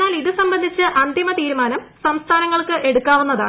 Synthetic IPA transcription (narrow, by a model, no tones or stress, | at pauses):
aːliðɨsɐmbɐnd̪ʱit͡ɕːɨʔɐnd̪ʱimɐt̪iːɾumaːnɐmsɐmst̪ʰaːnɐŋːɐɭkɨʔe̞ɽukːaːʋunːɐða̰ː